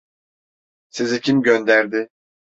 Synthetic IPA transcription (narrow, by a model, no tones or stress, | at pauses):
sezicʰimɟønd̪æɾd̪ɪ